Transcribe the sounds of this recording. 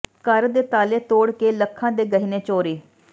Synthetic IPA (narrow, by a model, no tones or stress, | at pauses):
kəɾd̪eːt̪aːleːt̪oːɽkeːləkʰːãːd̪eːɡəɦineːt͡ʃoːɾiː